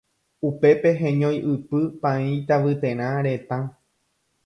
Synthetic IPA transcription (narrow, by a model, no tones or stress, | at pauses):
upe̞pe̞ɦẽɲõjʔɨpɨpãĩt̪aʋɨt̪ẽ̞ɾ̃ãɾe̞t̪ã